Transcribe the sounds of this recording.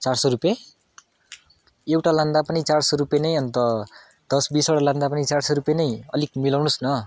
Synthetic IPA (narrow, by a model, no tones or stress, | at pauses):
t͡sarsʌɾupje | ewʈalãnd̪apʌnit͡sarsoɾupjenʌjʌnt̪ʌ | d̪̥ʌsbisoɽalãnd̪apʌnit͡sarsʌɾupjenʌjʌ̰lik̚milawnusnʌ